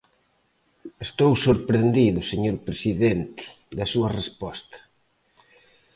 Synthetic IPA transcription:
est̪owsoɾpɾend̪iðʊseɲoɾpɾesiðent̪ɪ̥ | d̪ɐsuɐrespɔst̪ɐ̥

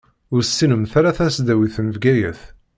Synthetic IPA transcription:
ʊɾsːinəmθaɾaθæsd̪æwiθənvɡæjəθ

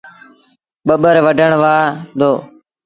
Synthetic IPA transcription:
ɓəɓəɾʋəɖʱəɳ̃ʋaːd̪oː

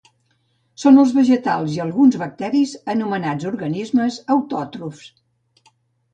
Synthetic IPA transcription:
sonəlˠzβəʒət̪alˠziəlˠɣunzβək̚t̪ɛɾizənumənad͡zuɾɣənizməzəwt̪ɔt̪ɾufs

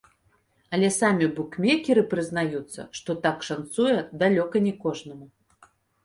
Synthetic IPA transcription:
ɐlʲɛsamʲibukmʲekʲɛɾɨpɾɨzn̪ajut̪sːɐ̰ʂt̪ɔt̪akʂant̪sujɛd̪alʲɔkɐnʲɛkɔʐnɐmu

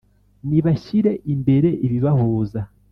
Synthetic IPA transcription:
niβaçiɾe̞ʔimbe̞ɾe̞ʔiβiβahuːza

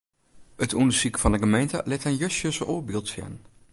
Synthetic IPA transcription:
ətundəsikəfɑndəɣəmejntə̰lɪtənjøsjəsəʔoːbɪlˠtfɛ̰n

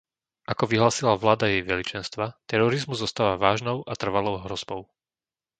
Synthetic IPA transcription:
ʔakɔʋiɦlaːsilaʋlaːd̪ajɛjʋɛlit͡ʃɛnst̪ʋat̪ɛɾɔɾizmuzːɔst̪aːʋaʋaːʒnɔʊʔat̪r̩ʋalɔʊɦɾɔz̥bɔʊ

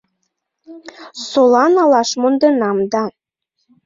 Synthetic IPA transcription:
solɑnɑlɑʃmond̪enɑmd̪ɑ

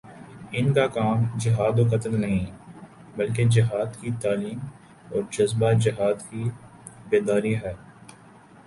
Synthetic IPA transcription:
ɪnkakaːmd͡ʒɪɦaːd̪oːkɐt̪əlnɐɦĩ | bɐlk̬ed͡ʒɪɦaːd̪kit̪aːliːm | ɔːɾd͡ʒɐzbad͡ʒɪɦaːd̪ki | beːd̪aːɾiɦɛː

